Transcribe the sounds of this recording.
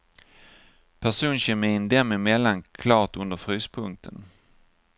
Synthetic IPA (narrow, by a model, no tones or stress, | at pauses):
pʰæʂuːnɕɛmɪɪnd̪ɛmːɪmɛlːankʰlɑːʈɵnd̪əɾfɾyːspʰɵŋk̚t̪ʰən